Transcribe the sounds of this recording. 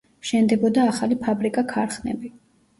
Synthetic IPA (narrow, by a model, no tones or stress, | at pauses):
ʃɛnd̪ɛbɔd̪aːχalipʰabɾikʼakʰaɾχnɛ̰bi